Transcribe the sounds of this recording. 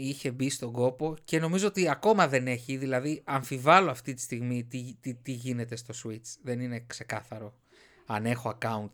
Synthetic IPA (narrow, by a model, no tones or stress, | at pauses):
içe̞bist̪oɡo̞po̞ce̞no̞mizoot̪iɐko̞mɐðe̞ne̞çiðilɐðiɐɱfivɐlo̞ɐft̪it̪i̥st̪iɣmit̪it̪it̪iʝine̞t̪e̞st̪o̞swit͡sðe̞nine̞kse̞kɐθɐɾo̞ | ɐne̞xo̞ɐkɐunt̪